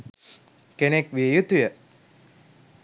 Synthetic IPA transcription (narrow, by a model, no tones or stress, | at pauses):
kenekʋiejut̪ujə